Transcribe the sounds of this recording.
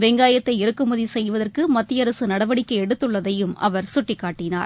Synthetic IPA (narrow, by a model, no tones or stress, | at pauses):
ʋeːŋɡaːjɐt̪ːɐɪɪɾɯkːɯmʊðisɛjʋɐðɐrkɯmɐt̪ːɪjɐɾɐsɯnɐɽɐʋɐɽɪkːɐɪɛɽɯt̪ːɯɭːɐðɐjɯmɐ̰ʋɐɾsʊʈːɪkːaːʈːɪna̰ːɾ